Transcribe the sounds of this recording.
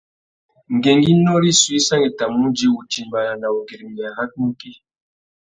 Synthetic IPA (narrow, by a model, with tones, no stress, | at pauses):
ŋ̩˨ɡe˨ŋɡi˦nɔ˦li˦swi˦sa˦ŋi˨ta˨mːu˦d͡ʒi˦wu˨ti˨mba˨na˨na˨u˨ɡe˨ɾi˨m˨a˨ha˦t̚mu˦ki˦